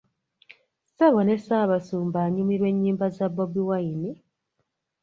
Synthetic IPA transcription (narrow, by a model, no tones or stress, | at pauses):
saβone̞saːβasuːmbaːɲumiɾwe̞ɲːiːmbazabobiwaini